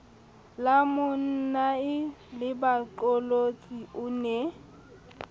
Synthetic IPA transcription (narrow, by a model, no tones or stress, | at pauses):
lamʊn̩naɪlɪbat͡ɬʼolot͡sʼiʊnɛ